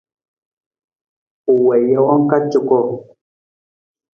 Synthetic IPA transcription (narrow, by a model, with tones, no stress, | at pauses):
u˨wɛ˨jɛ˦ɔ˦ŋ˦ka˦t͡ʃu˨kɔ˦˨